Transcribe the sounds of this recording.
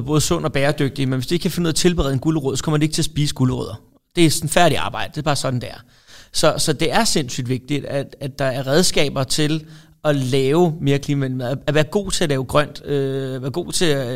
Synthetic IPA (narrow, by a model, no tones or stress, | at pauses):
b̥ɔ̽ːð̞̩ˠsɔ̽n̰ɒb̥ɛːɐd̥øɡ̥̚d̥imenʋesd̥eeɡ̥kʰæfenuð̰ˠt͡sʰe̝lb̥eʁɛðˠenɡ̥uləʁɔðˠsɒ̥kʰɒ̽m̰ɐdeɡ̥t͡sʰe̝æsb̥ḭːsəɡ̥uləʁø̰ðˠɐ | d̥e̝snfæɐɾ̥iɑ̈ːb̥ɑ̈ɪ̰d̥ə̥d̥e̝bɑ̈ːsɒ̽d̥n̩d̥æɐ | sɒ̽sɒ̽d̥e̝æɐse̝n̰sy̰ːd̥ʋe̝ɡ̥̚d̥id̥ææd̥ɑ̈æɐʁɛð̞ˠsɡ̥ɛ̰ːb̥ɐt͡sʰe̝l | ɒ̽lɛːʊme̝ːɐkʰliːmæʋend̥imeð̰ˠæʋæːɐɡ̥o̝̰ːt͡sʰe̝ælɛːʊɡ̥ʁɶn̰d̥øʋæːɐɡ̥o̝̰ːt͡sʰe̝æ